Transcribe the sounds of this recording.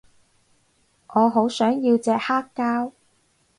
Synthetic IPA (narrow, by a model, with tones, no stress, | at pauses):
ŋʔɔː˨˧ɦo˨˥wsœː˨˥ŋjiː˧wt͡sɛː˨˧k̚haː˥kːaː˥w